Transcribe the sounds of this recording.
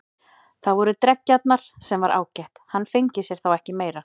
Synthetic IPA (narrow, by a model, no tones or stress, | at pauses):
θavɔɾʏt̪ɾɛcːat̪naɾ̥sɛmvaɾʔa̰ːwcɛht̪hanfɪɲcɪsjɛɾ̥θawɛhcɪmeːjɾa